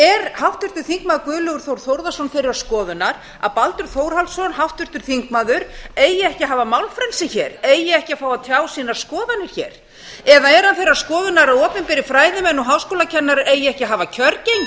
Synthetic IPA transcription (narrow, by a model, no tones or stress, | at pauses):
ɛɾhawft̪ʏr̥t̪ʏɾ̥θiŋkmaːðʏɾkʏːlœɣʏɾ̥θowɾ̥θowɾðasɔnfɪɾɪɾaskɔːðʏnaɾ | a̰palt̪ʏɾ̥θowɾ̥halsɔnɦawft̪ʏɾ̥t̪ʏɾ̥θiŋkmaːðʏɾejɪɛhcɪɦaːvamawlfɾɛlsɪçɛːɾejɪɛhcɪafaːwaðt̪ʰjaːwsiːnaɾ̥skɔːðanːɪɾ̥çɛ̰ːɾ̥ | ɛðaɛɾ̥hanθejɾaskɔːðʏnaɾaðɔːpɪnpɪɾɪfɾaːjðɪmɛnːɔɦaːwskoːlacʰɛnːaɾejɪɛhcɪɦaːvacʰœɾcejɲ